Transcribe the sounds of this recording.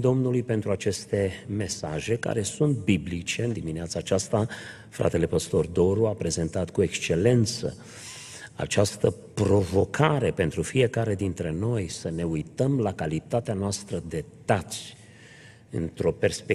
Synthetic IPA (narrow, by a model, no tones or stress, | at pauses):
d̪o̞mnulujpe̞nt̪ɾuat͡ʃe̞st̪e̞me̞sa̰ʒe̞ka̰ɾe̞sunt̪̚biblit͡ʃe̞ɨnd̪imineat̪saːt͡ʃast̪a | fɾa̰t̪e̞le̞pəst̪o̞rd̪o̞ɾuapɾe̞ze̞nt̪at̪kue̞kst͡ʃe̞le̞nt̪sə̰ | a̰t͡ʃast̪əpɾo̞vo̞kʰaɾe̞pe̞nt̪ɾufije̞kaɾe̞d̪int̪ɾe̞no̞jsəne̞ujt̪əmlakalit̪at̪eanoast̪ɾəd̪e̞t̪at̪sʲ | ɨ̰nt̪ɾo̞pe̞rspe